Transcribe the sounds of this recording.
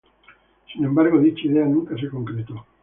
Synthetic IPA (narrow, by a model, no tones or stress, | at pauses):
sine̞mbaɾɣoðit͡ʃiðeanuŋkaseko̞ŋkɾet̪u